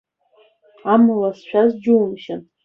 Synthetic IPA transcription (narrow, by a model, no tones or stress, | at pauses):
amɨlasʃʷᶣazd͡ʒuːmʃan